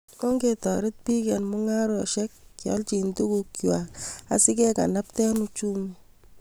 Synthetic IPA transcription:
ko˦ŋɡetɔ˨ɾɪ˦t̚pi˦kɛ˨nmʊ˦ŋa˦ɾʊ˦a˨ʃɛ˦k̚t͡ʃɔ̰˦lt͡ʃi˨ntu˦ku˨kua˨a˨sɪ˦kɛ˦ka̰˨na˦p̚tɛ˦nu˦t͡ʃu˦mu

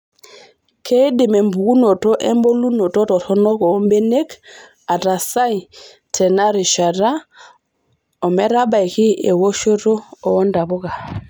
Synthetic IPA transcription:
kʰe˦dɪ˨me˨mbu˨ɡu˦no˨to˦ʔɛ˦mbo˦lu˦no˨tɔ˦tɔ˨tɔ˦nɔ˦kɔ˨˦mbe˦ne˦k | a˨ta˨sa˦i˨ | tʰɛ˨na˦ɾi˨ʃa˨ɾa˦ | ɔ˨mɛ˦ɾa˦ba˨jki˦e˨wo˦ʃo˦ɾo˦ɔː˨˦nda˨bʊ˦ɡa˨

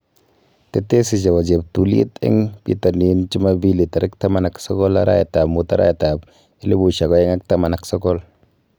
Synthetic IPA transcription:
te˦te˦si˨d͡ʒa˨wa˨d͡ʒe˨p̚tu˨lḭ˦tɪ̰˦ŋpḭ˦ta˨ni˨˦nt͡ʃi˦ma˦bi˦li˨ta˨ɾi˦kta˦ma˦˨na˨ksɔ˦kɔ˦la̰˦ɾa̰˦jta˨mu˨ta̰˦ɾa̰˦jta˨b̚ | i˦li˦bu˨ʃa˨ɡɔ˨˦ɛ˦ŋa˦k̚ta˦ma˨na˨ksɔ˦kɔ˦l

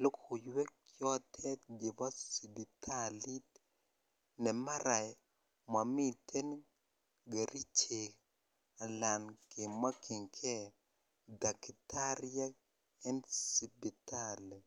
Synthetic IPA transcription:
lo˦ko˨jwɛ˦kjɔ˦tʰɛ˦tɡe˨ba˦si˨bi˨tʰa˦li˦t | nɛ˨ma˦ɾa˨j | ma˨mi˦tʰe˦n | ɡe˨ɾʔi˦t͡ʃe˨k | a˨la˨nke˨ma˦kʰi˨ŋkʰɛ˦ | da˨ki˨tʰa˦ɾi˦a˦ | ɛ˦nsi˨bi˨ta˦lɛ˨

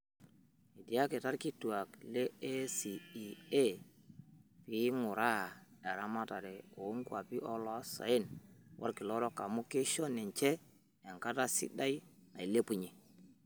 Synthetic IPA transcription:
e˨di˨a˦ke˨ta˦ɾki˦tu˨a˨kle˦e˦si˨i˨e˦ | pi˨˦ŋʊ˨ɾa˦˨ɛ˨ɾa˦ma˦ta˨ɾe˨o˨˦ŋkwa˨pi˦ʔɔ˦lɔ˦sa̰˨e˦nwʔa̰˦ɾki˨lɔ˦ɾɔ˦ka˨mu˦ke˦ʃɔ˦ni˨ɲt͡ʃɛ˦ | ɛ˨ŋka˦ta˦sḭ˦da˦i˦na˨i˨le˦pu˦ɲi˨

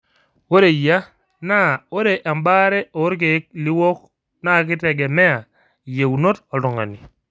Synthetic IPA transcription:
wo˦ɾe˨ja˦ | na˦˨o˦ɾe˨ʔa˨mba˦ɾɛ˦o˨˦ɾk̬e˨˦k̚lɪ˦wɔ˦k | na˦˨k̬ɪ˦tɛ˨ɡɛ˨mɛ˦a˨ | je˨u˨no˦tɔ˨lɔ˨ŋa̰˨ni˨

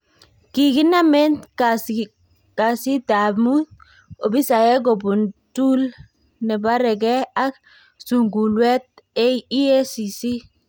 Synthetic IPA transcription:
ki˨ɡi˦na˦mɛ˦ntka˨s | ka˨si˦da˨mu˦t | o˨bi˦sa˨jɛ˦ɡ̬ɔ˨bu˨ntu˦l | nɛ˨ba˦ɾɛ˨ɡɛ˦a˦k | su˨ŋɡu˨lwɛ˦t̪̚ | ɛ˦i˦e˦si˨si˦

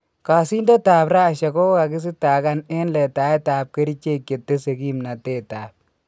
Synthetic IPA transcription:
kaː˨si˦ndo˦taː˨pɾa˦˨ʃɛ˨ko˦ka˨kɪ˦s̬ɪ˦ta˨ka˦ne˦nlɛ˨ta˨jtaː˨p̚ke˦ɾi˦t͡ʃe˦kʲːe˨tːe˦se˨ɡi˦mna˨teː˦˨taː˨p̚

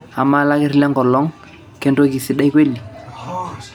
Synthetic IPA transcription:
a˨ma˦la˦kɪ˦ɾlɛ˦ŋɡɔ˨lɔ˦ŋ | kɛ˦ndo˦k̬i˨sɪ˨ɗa˦jkwe˦li˨

